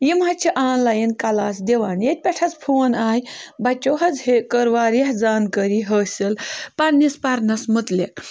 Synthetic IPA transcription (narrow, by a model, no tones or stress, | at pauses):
jimɐt͡ʃʰiʔaːnlajinkɐlaːsd̪eʋaːnjet̪̚ʲpʲɛʈʰɐt͡spʰuːnaːjbɐt͡ʃʲːoɦɐd͡zhekəɾʋaːɾeɦd͡zaːnkəɾiɦəːsʲilpɐɾnispɐɾnɐsmɨt̪lek̚